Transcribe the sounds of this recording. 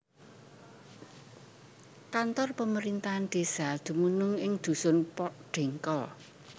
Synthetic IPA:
kant̪ɔrpəməɾint̪aanɖ̪̥esad̪̥ṳmunʊŋɪŋd̪̥ṳsʊnpɔʔɖ̥e̤ŋkɔ

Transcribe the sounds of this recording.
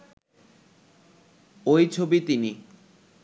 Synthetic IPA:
ojt͡ɕʰobit̪ini

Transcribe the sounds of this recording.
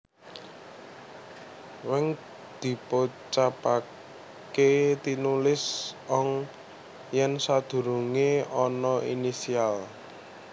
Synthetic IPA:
wɪŋ | d̪̥i̤pot͡ʃapa | ket̪inulɪsɔŋ | jɛnsad̪̥ṳɾuŋeɔnɔʔinisial

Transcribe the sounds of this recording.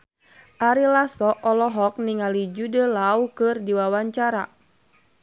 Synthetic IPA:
ʔaɾilasɔʔɔlɔɦɔk̚niŋalid͡ʒudəlaukɨrdiwawaɲt͡ʃaɾa̰

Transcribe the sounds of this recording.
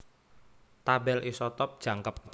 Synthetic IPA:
t̪abɛlʔisɔt̪ɔp̚d̥ʒ̥a̤ŋkəp̚

